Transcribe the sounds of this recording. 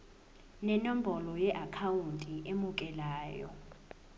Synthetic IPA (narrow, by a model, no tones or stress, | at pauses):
nɛnom̩bɔlɔjɛʔakʰawuntʼiʔemukʼɛlaːjɔ̰